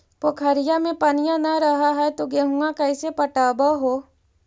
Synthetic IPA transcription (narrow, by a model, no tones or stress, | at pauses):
pokʰɐɾɪjamẽpɐnɪjãnɐɾɐɦaɦɛt̪oɡeɦũakɐɪsepɐʈaːbaɦoː